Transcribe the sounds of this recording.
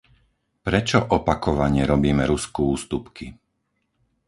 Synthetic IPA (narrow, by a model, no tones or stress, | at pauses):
pɾɛt͡ʃɔʔɔpakɔʋaɲɛɾɔbiːmɛɾuskuuːst̪upki